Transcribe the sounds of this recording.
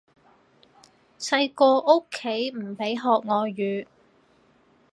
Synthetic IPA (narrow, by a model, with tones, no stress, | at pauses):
sɐ˧jkɔː˧ʔo˥kʰːe˨˥jm̩˨˩pe˨˥jɦɔː˨k̚ŋɔː˨˧jyː˨t̚